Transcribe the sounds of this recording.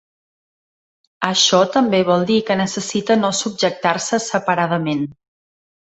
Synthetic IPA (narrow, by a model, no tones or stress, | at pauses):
əʃɔt̪əmbeβ̞ɔlˠd̪ikənəsəsit̪ənosub̚ʒək̚t̪arsəsəpəɾað̞əmen